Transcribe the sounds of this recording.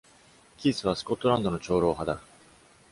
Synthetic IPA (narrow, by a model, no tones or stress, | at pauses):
kʲisɨβasɨ̥ko̞t̪ːo̞ɾãnd̪o̞no̞t͡ɕo̞ːɾo̞ːɦad̪a